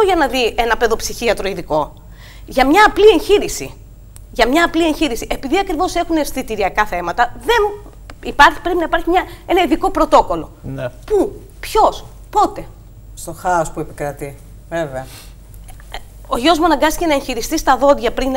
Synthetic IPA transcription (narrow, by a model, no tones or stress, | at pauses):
oʝɐnɐðienɐpe̞ðo̞psiçiɐt̪ɾo̞iðiko̞ | ʝɐmɲɐːplie̞nçiɾisḭ | ʝɐmɲɐːplie̞ɲçiɾisiʔe̞piðiɐkɾivo̞se̞xuneɾstθit̪iɾiɐkɐθe̞mɐt̪ɐðe̞n | ipɐɾçi̥pɾe̞pinɐipɐɾçimɲɐe̞nɐiðiko̞pɾo̞t̪o̞ko̞lo̞pu | pço̞s | po̞t̪e̞ | st̪o̞xɐospuepikɾɐt̪i | veveɐ | oʝoozmuɐnɐŋɡɐst̪i̥ce̞nɐençiɾist̪ist̪ɐðo̞d̪ʝɐpɾin